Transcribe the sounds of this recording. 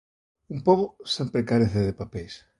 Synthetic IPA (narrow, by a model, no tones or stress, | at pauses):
umpoɣosempɾekaɾeθeðepapes